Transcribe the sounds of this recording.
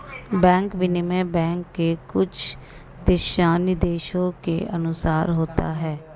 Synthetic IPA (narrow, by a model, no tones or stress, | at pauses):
bɛ̃ːŋkʋɪnɪmẽːbɛ̃ːŋkːeːkʊd͡ʒʰ | d̪ɪʃaːnid̪eːʃõːkḛːʔənʊsaːɾɦoːt̪a̰ːɦɛː